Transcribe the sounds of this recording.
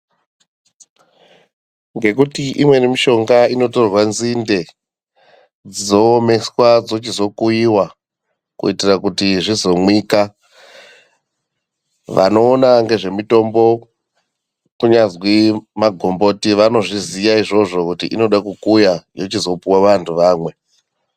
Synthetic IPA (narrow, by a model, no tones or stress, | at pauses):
ŋɡe̞kutiʔimwe̞nemiʃo̞ŋɡaino̞to̞rwanzinde̞ | d͡zizo̞ːme̞swad͡zo̞t͡ʃizo̞kujiwa | kṵitirakutiʐizo̞mwiːka | ʋa̰no̞ːnaŋɡe̞ʐe̞mito̞mbo̞ | kuɲazwimaɡʱo̞mbo̞tiʋano̞ʐizijaiʐo̞ʐo̞kutḭʔino̞ɗakukujajot͡ʃizo̞puwaʋantʰuʋaːmwe̞